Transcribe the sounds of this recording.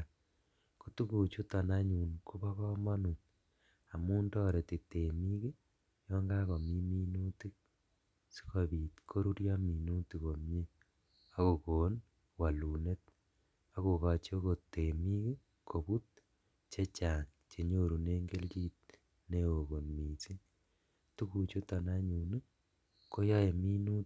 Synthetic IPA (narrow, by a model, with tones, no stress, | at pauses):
ko˦tu˦ku˨t͡ʃu˦ta˨na˦ɲu˨nku˦βɔ˦kɔ˦ma˦nu˨n | a˨mu˦ndɔ˦ɾe˨ti˨te˨mi˦ke˦ | jɔ˦ŋɡa˦ko˨mi˦mi˦nu˦ti˦k̚ | si̥˦ko˨biː˨tkʰo˦ɾu˦ɾjɔ˦mi˨nu˦ti˨ko˨mje˦ | a˦ko˨koː˨n | wa˨lu˨ne˦t̚ | a˦ko˨ka˨t͡ʃo˦ko˨te˨mi˦ke˦ | kʰo˨bu˦t̚ | t͡ʃe˦t͡ʃa˨ŋ | t͡ʃe˨ɲo˦ɾu˨ne˦ŋɡe˦lt͡ʃiː˦t̚ | ne˦o˨ko˨nmi˨si˦n | tu˦ku˨t͡ʃu˦ta˨na˦ɲu˨ni˦ | ko˦jɔ˦e˨mi˦nu˦t